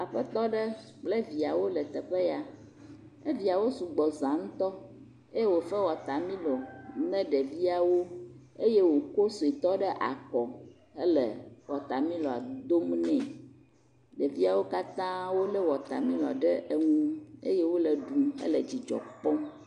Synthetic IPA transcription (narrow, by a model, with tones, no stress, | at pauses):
a˨ɸɛ˦t̪ɔ˦ɖɛ˦k͡plɛ˦vi˨a˨wo˦lɛ˨t̪ɛ˨ɸɛ˦ja˨ | ɛ˦vi˨a˨wo˦su˨ɡ͡bɔ˨zã˨ŋ̩˦t̪ɔ˦ | e˦je˦wo˨fɛ˦wɔ˨t̪a˨mĩ˦lɔ˨nɛ̃˦ɖɛ˨vi˦a˨wo˦ | e˦je˦wo˨ko˦so˨i˨t̪ɔ˦ɖɛ˦ʔa̰˨kɔ˨ | ɛ˦lɛ˨wɔ˨t̪a˨mĩ˦lɔ˨a̰˨d̪o˦mnɛ̃˨ | ɖɛ˨vi˦a˨wo˦ka˦t̪ã˦wo˦lɛ˦wɔ˨t̪a̰˨mĩ˦lɔ̰˨ɖɛ˦ʔe˨ŋũ˦ḛ˦je˦wo˦lɛ˨ɖu˨ɛ̰˦lɛ˨d͡ʑi˨d͡ʒɔ̰˨k͡pɔ̃˦